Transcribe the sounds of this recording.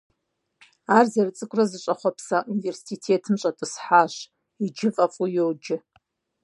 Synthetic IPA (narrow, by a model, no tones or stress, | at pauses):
arzarɨt͡sʼɨkʷʼrazɨɕʷʼaχʷapʰsaʔuniversi̥sitʰetʰɨmɕʼatʼɨsħaʃ | id͡ʒɪfʼafʼujowd͡ʒɪ